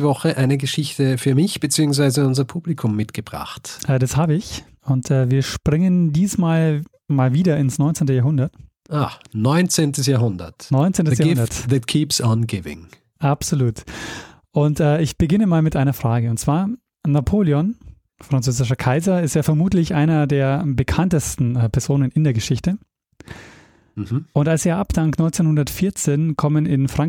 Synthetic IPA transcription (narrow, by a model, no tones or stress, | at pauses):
vɔχəʔaɪnəɡəʃɪçtəfyːɐmɪçb̥ət͡siːʊŋsv̥aɪzəʊnzɐpʰuːb̥likʰʊmːɪtɡ̥əb̥ʁa̰χtʔɛːdashaːbəɪç | ʊntʰɛːviːɐʃpʁ̥ɪŋəndiːsmaːl | maːlviːdɐɪnsnɔʏnt͡seːntəjaːɐɦʊndɐt | ʔanɔʏnt͡seːntəsjaːɐɦʊndɐ̰tnɔʏnt͡seːntəsjaːndɐtðɛtkʰiːpsɔnɡɪvɪ̰̃ŋ | ʔapz̥oluːt | ʔʊntʔɛːɪçb̥əɡɪnəmaːlmɪtʔaɪnɐfʁ̥aːɡəʊntt͡sv̥aːɐ | napʰoːljɔn | fʁ̥ant͡søːzɪʃ̬ɐkʰaɪzɐɪsteːɐfɛɐmuːtlɪçʔaɪnɐdeːɐbəkʰantəstn̩ɛːpʰɛɐzoːnənɪndeːɐɡəʃɪçtə | m̩mm̩ʔʊntalseːɐʔapd̥aŋktnɔʏnt͡seːnhʊndɐtfɪɐt͡seːnkʰɔmənɪnfʁ̥aŋ